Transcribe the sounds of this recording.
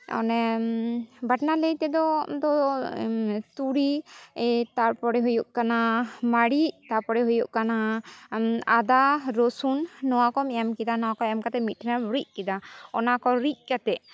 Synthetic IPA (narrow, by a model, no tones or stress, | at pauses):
ɔ̰nɛ | baʈnaləjt̪ɛd̪ɔd̪ɔ | t̪uɾi | t̪aɾpɔɽɛɦujuʔkanamaɽiʔt̪aɾpɔɽɛɦujuʔkana | ad̪aɾosunːɔwakɔmɛamkɛd̪anɔwakɔɛamkat̪ɛmit̪̚ʈʰnauɾic̚kɛd̪aɔnakɔɾic̚ˀkat̪ɛʔ